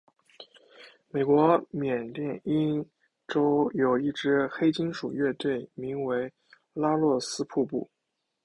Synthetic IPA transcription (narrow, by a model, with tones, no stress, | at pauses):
me˨˩ɪkwɔ˧˥mjɛ˨˩nt̪jɛ˥˩ni˥n | ʈ͡ʂo˥ʊjo˨˩ʊi˥˩ʈ͡ʂɻ̩˧˥xe˥ɪt͡ɕi˥nʂu˨˩ɥɛ˥˧t̪we˥˩ɪmi˧˥ŋwe˧˥ɪ | la˥lwɔ˥˩sɹ̩˥pʰu˥˧pṵ˥˩